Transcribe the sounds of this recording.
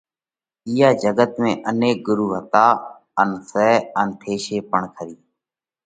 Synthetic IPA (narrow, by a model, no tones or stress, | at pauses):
ijaːd͡ʒəɡət̪mẽːʔəneːk̚ɡʊɾuːɦət̪aː | ənsɛːənt̪ʰeːʃeːpəɳkʰəɾiː